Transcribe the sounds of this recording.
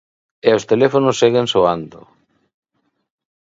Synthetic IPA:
eost̪elefonʊsːeɣensoand̪ʊ̰

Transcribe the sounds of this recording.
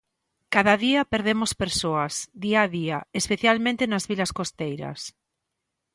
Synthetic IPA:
kaðɐðiɐpeɾðemospeɾsoɐsd̪iaðiaespeθjalmẽnt̪enazβilɐskost̪ejɾɐ̰s

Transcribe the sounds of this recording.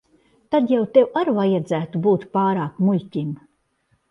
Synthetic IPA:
t̪ad̪jawt̪ewaɾvajad̪zæːt̪ubuːt̪paːɾaːkmuʎʲcʲim

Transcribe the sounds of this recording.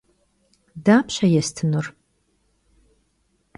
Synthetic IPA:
daːpɕɐjɛstʰɨnur

